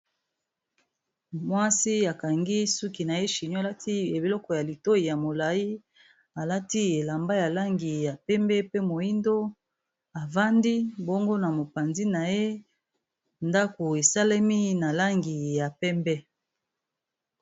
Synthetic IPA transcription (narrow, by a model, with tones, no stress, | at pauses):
mwa˦si˦a˨ka˨ŋɡi˦su˦ki˨na˨je˦ʃi˨ɲɔ˦˨la˦tʰi˦e˨be˨lɔ˦kɔ˨ja˨li˨to˦i˨ja˨mo˨la˨ji˦ | a˨la˦ti˦e˨la˨mba˦ja˨la˦ŋɡi˨ja˨pɛ˦mbɛ˦pe˦mo˨i˦ndo˦ | a˨va˦ndi˦bo˦ŋɡo˦na˨mo˨pa˨nzi˦na˨je˦ | nda˦ko˨e˨sa˦le˦mi˦na˨la˦ŋɡi˨ja˨pɛ˦mbɛ˦